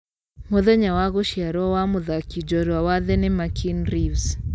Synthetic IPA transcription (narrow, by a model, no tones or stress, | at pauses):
mɔðɛɲawaɣɔʃiaɾɔwamʊðakid͡ʒɔɾwawaðɛnɛmakʰinɾivs